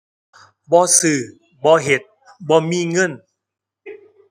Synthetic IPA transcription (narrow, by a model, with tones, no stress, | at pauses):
bɔː˧˦sɯː˨˩ | bɔː˧˦ɦe˨˩˦t̪̚ | bɔː˧˦miː˧˥˨ŋɤ˧˥˨n